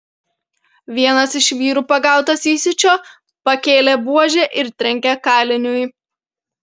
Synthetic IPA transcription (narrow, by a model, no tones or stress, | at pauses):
ʋʲiɛnɐsɪʃʋʲiːɾuːpɐɡɑˑʊt̪ɐsiːsʲɪt͡ʃʲoː | pɐkʲeːlʲebuɔʒʲeːʔɪɾt̪ʲɾʲɛŋʲkʲɛkɑːlʲɪnʲʊj